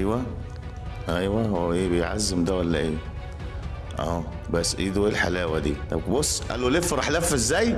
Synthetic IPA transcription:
ʔæjwæ | ʔæjwæhowːæʔeːbejʕa̰zːemd̪æwælːæʔeː | ʔæː | bæsːʔiːd̪uʔeːlħalæːwæd̪ḭːt̪æwbosːʔæ̰lːolefːɾˤɑħlæfːzːæːj

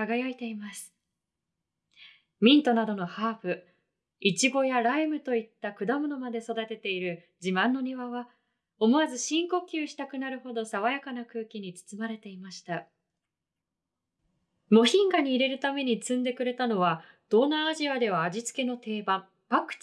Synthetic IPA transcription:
aɡajait̪e̞imasɨ̥ | mʲĩnt̪o̞nad̪o̞no̞haːɸɯ̟ | it͡ɕiɡo̞jaɾaimɯ̟t̪o̞it̪ːakɯ̟d̪amo̞no̞mad̪e̞so̞d̪at̪e̞t̪e̞iɾɯ̟ | d͡ʑimãnːo̞ɲ̟iβaβa | o̞mo̞azɨɕĩŋko̞kʲɯːɕi̥t̪akɯ̟naɾɯ̟ɦo̞d̪o̞saβajakanakɯ̟ːkʲiɲ̟it͡sɨ̥t͡sɨmaɾe̞t̪e̞imaɕi̥t̪a | mo̞çĩŋɡaɲ̟iːɾe̞ɾɯ̟t̪ame̞ɲ̟it͡sɨ̃nd̪e̞kɯ̟ɾe̞t̪ano̞βa | d̪̥o̞nːaːʑiad̪e̞βaːd͡ʑit͡sɨ̥ke̞no̞t̪e̞ːbãm | pakɯ̟̥

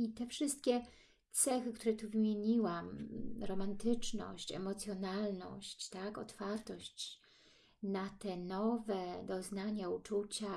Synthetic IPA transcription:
it̪ɛfʂɘst̪̚kʲɛ | t̪sɛxɘkt̪uɾɛt̪uvɘmʲjeɲiwamɾɔmant̪ɘt͡ʂnɔ̰ɕt͡ɕɛ̰mɔt̪sʲjɔnalnɔ̰ɕt͡ɕt̪akɔ̰t̪faɾt̪ɔɕt͡ɕ | nat̪ɛnɔvɛd̪ɔznaɲaut͡ʂut͡ɕa

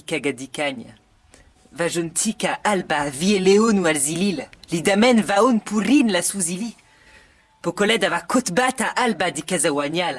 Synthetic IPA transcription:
ikaɡad̪ikaɲa̰ | vaʒont̪ʰikaʔalbavieleonualzilillid̪amɛnvaonpurinlasuzili | pokolɛd̪avakot̪bat̪aʔalbad̪ikɛzawaɲal

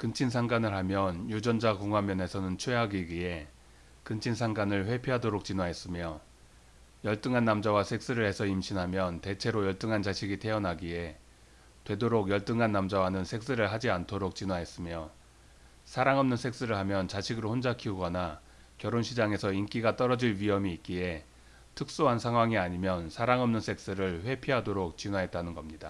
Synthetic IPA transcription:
kɯnt͡ɕʰinsʰaŋɡanɯɭɦamjʌnjud͡ʑʌnd͡ʑakoŋɦwamjʌne̞sʰʌnɯnt͡ɕʰwe̞aɡiɡɥie̞ | kɯnt͡ɕʰinsʰaŋɡanɯɭɸwe̞pʰjiɦadoɾok̚t͡ɕ͈inwaɦe̞s͈ɯmjʌ | jʌɭt͈ɯŋɦanːamd͡ʑawasʰe̞k̚s͈ɯɾɯɭhe̞sʰʌimɕʰinɦamjʌnte̞t͡ɕʰe̞ɾojʌɭt͈ɯŋɦant͡ɕaɕʰiɡitʰe̞ʌnaɡie̞ | twe̞doɾoɡjʌɭt͈ɯŋɦanːamd͡ʑawanɯnsʰe̞k̚s͈ɯɾɯɭɦad͡ʑiantʰoɾok̚t͡ɕ͈inwaɦe̞s͈ɯmjʌ | sʰaɾaŋʌmnɯnsʰe̞k̚s͈ɯɾɯɭhamjʌnt͡ɕaɕʰiɡɯɾohond͡ʑakʰiuɡʌna | kjʌɾonɕʰid͡ʑaŋe̞sʰʌink͈iɡat͈ʌɾʌd͡ʑiɭɥiɦʌmiːt̚k͈ie̞ | tʰɯk̚s͈oɦansʰaŋɦwaŋiaɲimjʌnsʰaɾaŋʌmnɯnsʰe̞k̚s͈ɯɾɯɭɸwe̞pʰiɦadoɾok̚t͡ɕinwaɦe̞t̚t͈anɯnɡʌmɲida̰

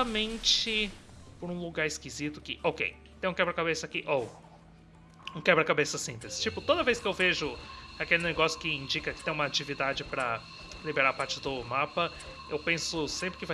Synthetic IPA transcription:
ɐmẽnt͡ʃɪ | poɾũluɡaɾɪskizit̪ʊkɪʔokḛj | t̪ẽj̃kɛbɾɐkabesɐkɪʔow | ũkɛbɾɐkabesɐsĩplɪzɪ̥t͡ʃipʊt̪od̪ɐvejskɪewveʒʊakelɪneɡɔsjʊkɪĩnd͡ʒikɐkɪ̥t̪ẽj̃ũmɐat͡ʃivid̪ad͡ʒɪpɾɐ | libeɾaɾpaɾt͡ʃɪd̪ʊmapɐ | ḛwpẽsʊsẽmpɾɪkɪva

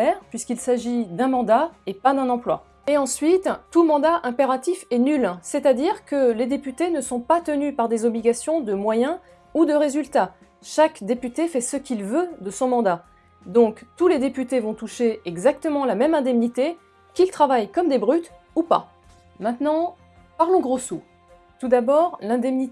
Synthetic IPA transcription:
ɛʁpɥiskilsaʒid̪ɛ̃mɑ̃d̪aepad̪ɛ̃nɑ̃plwa̰ | eɑ̃sɥit̪ːumɑ̃d̪aʔɛ̃peʁat̪ifɛnylsɛt̪ad̪iʁkəled̪epyt̪enəsɔ̃pat̪ənypaʁd̪ezɔbliɡʲasjɔ̃d̪əmwajɛ̃ | ud̪əʁezylt̪a | ʃakd̪epyt̪efɛsəkʲilvød̪əsɔ̃mɑ̃d̪a | d̪ɔ̃kt̪uled̪epyt̪evɔ̃t̪uʃeɛɡzak̚t̪əmɑ̃lamɛmɛ̃d̪ɛmnit̪e | kʲilt̪χavajkɔmd̪ebʁyt̪ | upa̰ | mɛ̃t̪nɑ̃ | paʁlɔ̃ɡʁosu | t̪ud̪abɔʁlɛ̃d̪ɛmni

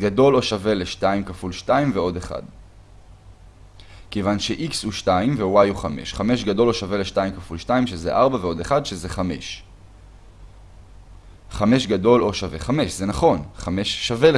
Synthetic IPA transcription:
ɡado̞lo̞ʃave̞leʃtaimkafulʃtaimveo̞de̞χa̰d | kejvanʃe̞ʔikshuʃtaimvewajuχame̞̰ʃχame̞ʃɡado̞loʃave̞leʃtaimkafulʃtaimʃezḛʔaʁbaveo̞deχadʃeze̞χame̞ʃ | χame̞ʃɡado̞lo̞ʃave̞̰χame̞ʃzenaχo̞nχame̞ʃːave̞l

